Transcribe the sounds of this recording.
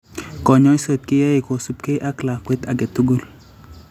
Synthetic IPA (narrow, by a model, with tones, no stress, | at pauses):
kɔ˨ɲɔ˦i˦so˨t̪̚kɪ˦ja˦e˨ko˨su˦p̚ke˦ʔa˦kla˨kwe˦t̪a˨ɡɛ˨t̪u˦ɡu˦˨l